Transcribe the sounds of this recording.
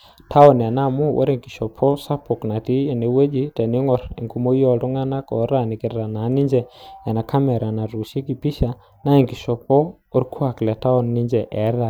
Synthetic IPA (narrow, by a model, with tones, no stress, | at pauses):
tʰa˦ɔ˨n˨a˨na˦˨mu˦wʔɔ̰˦ɾe˦˨ŋki˨ʃɔ˨pʰɔ˦sa˦pɔ˨kna˨ti˦ɛ˨ne˨we˦d͡ʒi˦tɛ˨ni˦ŋɔ˨ɾḭ˨ŋku˦mo˦jɔ˦˨lu˦ŋa˦na˦kɔ˨˦ɾa˨ni˨ki˨ɾːa˨na˨˦ni˦ɲd͡ʒɛ˨ɛ˨na˨ka˦mɛ˨ɾa˨na˨ɾu˨ʃi˦ki˨pi˦ʃa˨ | na˦i˨ŋɡi˨ʃɔ˨pɔ˦ | o˦ɾkʰu˦a˨klɛ˨ta˦ɔ˦˨nːi˦ɲd͡ʒɛ˨ʔɛ˨˦ɾa˨